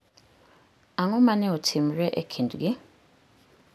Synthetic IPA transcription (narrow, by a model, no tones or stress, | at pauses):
aŋomanɛotʰim̩ɾɛʔekʰinduɡi